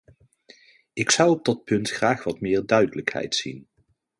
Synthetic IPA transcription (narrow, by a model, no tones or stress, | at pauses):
ɪksʌwɔb̚dɑt̚pɵntχraːχʋɑtmɪːɹdœɥdələkhɛ̰jtsin